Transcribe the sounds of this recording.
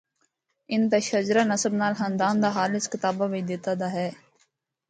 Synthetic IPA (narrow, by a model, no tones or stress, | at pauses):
ɪnt̪eʃəd͡ʒɾaːnəsəbnaːlɦənd̪aːmd̪aːɦaːlɪskɪt̪aːbaːʋɪt͡ʃd̪ɪt̪aːd̪aːɦɛː